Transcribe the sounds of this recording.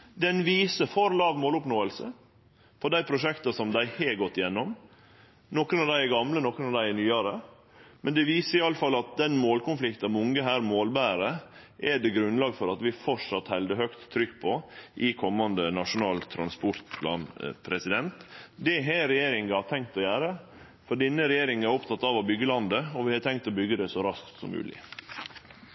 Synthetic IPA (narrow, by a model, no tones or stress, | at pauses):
d̪ɛnʋiːsəfɔɾlɑːʋmoːlʊpnoːəlsə̰ | pʰɔd̪æɪpʰɾʊʂɛkt̪ɑsɔmd̪æɪheɡɔt̪ːɪjɛnːɔm | nɔkːənɑʋd̪æɪɛɡɑmlənɔkːənɑʋd̪æɪɛnyːɑɾə | mɛnd̪ɛʋiːsəɾɪɑlːəfɑlːɑt̪̚d̪ɛnmoːlkʊnflɪkt̪nɑmʊŋəɦæːɾmoːlbæːɾə | ʔɛɖ̪ɛɡɾʉnlɑːɡfɔɾɑt̪ʋɪfɔʂɑt̪hɛld̪əhœkt̪ʰːɾʏkːpʰɔʔɪkʰɔmːɑnd̪ənɑʂʊnɑːlt̪ʰɾɑ̰nspʊɾt̪pʰlɑ̰ːnpʰɾɛsɪd̪ɛnt̪d̪ɛɦɛɾɛjeːɾɪŋɑɑt̪ʰɛŋkt̪ɔjæːɾə | fɔɾɖ̪ɛnːəɾɛjeːɾɪŋən̩æɾɔpt̪ʰɑt̪ːɑʋɑbʏɡːəlɑnd̪əɔʋɪhɑt̪ʰɛŋkt̪ɔbʏɡːəd̪ɛsɔɾɑskt̪sɔ̰mːʉ̰ːlɪ̰